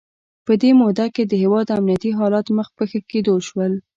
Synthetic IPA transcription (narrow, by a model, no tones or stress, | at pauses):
pəd̪emod̪aked̪əɦewɑd̪amniat̪iɦɑlɑt̪məxpəxəked̪oʃwəl